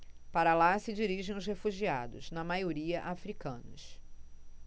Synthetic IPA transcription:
paɾɐlasɪd͡ʒiɾiʒẽj̃ʊshefuʒia̰d̪ʊ̰znɐmajoɾiɐʔafɾikɐ̃nʊs

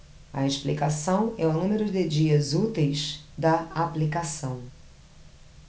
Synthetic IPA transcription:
ɐ̰eʃplikasɐ̃w̃ɛũnũmeɾʊd̪ɪd͡ʒiɐzut̪ejzd̪ɐaplikasɐ̃w̃

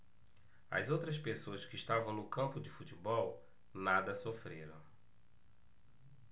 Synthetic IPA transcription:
ɐ̰zowt̪ɾɐspesoɐskɪːʃt̪avɐ̃w̃nʊkɐ̃mpʊd͡ʒɪfutɪbɔw | nad̪ɐsofɾeɾɐ̰̃w̃

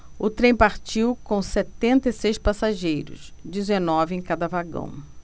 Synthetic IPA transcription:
ʊt̪ɾẽj̃paɾt͡ʃiwkõw̃sɛt̪ẽnt̪ɐisejspasaʒejɾʊ̰sd͡ʒizenɔvɪẽj̃kad̪ɐvaɡɐ̰̃w̃

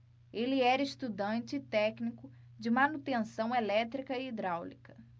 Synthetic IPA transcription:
elɪɛɾɐeʃt̪ud̪ɐ̃nt͡ʃɪːt̪ɛknikʊ | d͡ʒɪmɐnut̪ẽsɐ̃w̃elɛt̪ɾikɐiːd̪ɾawlikɐ

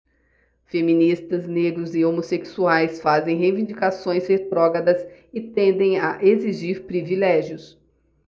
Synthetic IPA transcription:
femĩnist̪ɐzneɡɾʊzɪomoseksuajsfazẽj̃ɦevĩd͡ʒikasõj̃shet̪ɾɔɡɐd̪ɐsɪt̪ẽnd̪ẽj̃aʔeziʒiɾpɾivilɛʒiʊs

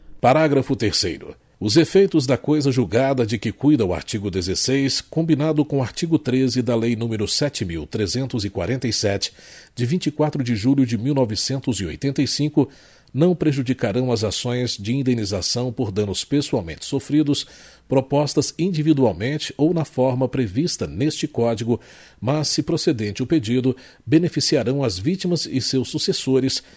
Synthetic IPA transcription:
paɾaɡɾɐfʊt̪eɾsḛjɾʊ̰ | ʊzefejt̪ʊzd̪ɐkojzɐʒuɡad̪ɐd͡ʒɪkɪkujd̪ɐʊa̰ɾt͡ʃiɡʊd̪ezesejskõbinad̪ʊkõʊaɾt͡ʃiɡʊt̪ɾezɪd̪ɐlejnũmɪɾʊsɛt͡ʃɪmiwt̪ɾezẽnt̪ʊzɪkwa̰ɾẽnt̪ɐjsɛt͡ʃɪ̥d͡ʒɪvĩnt͡ʃikwat̪ɾʊd͡ʒɪʒuʎʊd͡ʒɪmiwnɔvɪsẽnt̪ʊzɪo̰jt̪ẽnt̪ɐjsĩkʊ | nɐ̃w̃pɾeʒud͡ʒikaɾɐ̃w̃ɐzasõj̃zd͡ʒɪĩnd̪enizasɐ̃w̃poɾd̪ɐ̃nʊspesuawmẽnt͡ʃɪ̥sofɾid̪ʊs | pɾopɔst̪ɐzĩd͡ʒivid̪uawmẽnt͡ʃɪownɐfɔɾmɐpɾevist̪ɐnest͡ʃɪkɔd͡ʒiɡʊ | mɐsːɪpɾosed̪ẽnt͡ʃɪʊped͡ʒid̪ʊ | benefisiaɾɐ̃w̃ɐzvit͡ʃimɐzɪsewsːusesoɾɪs

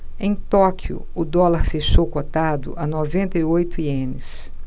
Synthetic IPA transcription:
ẽj̃t̪ɔkʰjʊ̰ | ʊd̪ɔlaɾfeʃowkot̪ad̪ʊ̰ʔɐnovẽnt̪ɐiojt̪ʊiẽnɪs

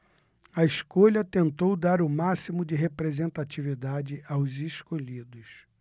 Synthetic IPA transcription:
ɐeskoʎɐt̪ẽnt̪owd̪aɾʊmasimʊd͡ʒɪɦepɾezẽnt̪at͡ʃivid̪ad͡ʒɪʔawzeskoʎid̪ʊs

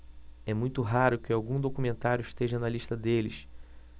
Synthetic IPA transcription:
ɛmũj̃t̪ʊɦaɾʊkɪawɡũd̪okumẽnt̪aɾjʊiʃt̪eʒɐnɐliʃt̪ɐd̪elɪs

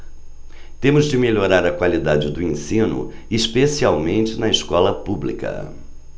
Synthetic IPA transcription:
t̪ẽmʊzd͡ʒɪmeʎoɾaɾɐkwalid̪ad͡ʒɪd̪ʊẽsĩnʊ̰ɪspesiawmẽnt͡ʃɪnɐɪskɔlɐpublḭkɐ̰

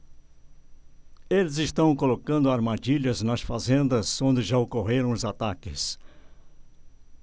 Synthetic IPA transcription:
elɪzɪst̪ɐ̃w̃kolokɐ̃nd̪ʊaɾmad͡ʒiʎɐznɐsfazẽnd̪ɐzõnd̪ɪʒaokoɦeɾɐ̃w̃ʊzat̪akɪs

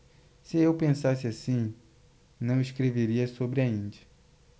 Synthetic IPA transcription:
sɪewpẽsasɪasĩ | nɐ̃w̃ɪskɾeveɾiɐsobɾɪɐĩd͡ʒɐ

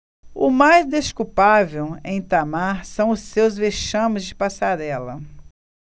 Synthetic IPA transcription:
ʊmajzd̪eskupavewḛ̃j̃t̪amaɾsɐ̃w̃ʊsewzveʃɐ̃mɪzd͡ʒɪpasaɾɛlɐ

